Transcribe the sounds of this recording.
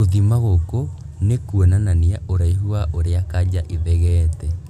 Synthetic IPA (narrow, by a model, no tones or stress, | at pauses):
oðimaɣoko | nekwenananiaʔoɾaiɦuaʔoɾeakad͡ʑaʔiðɛɣɛːtɛ